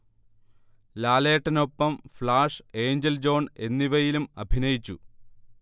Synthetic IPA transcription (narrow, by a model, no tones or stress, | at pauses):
laːleːʈːɐno̞pːɐmflaːʂe̞ːɲd͡ʑeld͡ʑo̞ːɳe̞nːiʋɐjilumɐ̰bʱinɐjit͡ɕːu